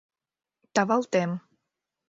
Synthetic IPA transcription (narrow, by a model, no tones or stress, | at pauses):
t̪avalt̪ɛm